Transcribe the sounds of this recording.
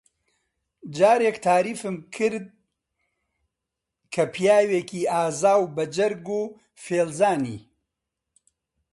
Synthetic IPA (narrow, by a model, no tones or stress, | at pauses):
d͡ʒaːɾeːkt̪ʰaːɾiːfɨmkʰɨɾd̪̚ | kʰɐpʰijaːweːkʰiːaːzaːwbɐd͡ʒɐɾɡuː | feːlzaːnḭː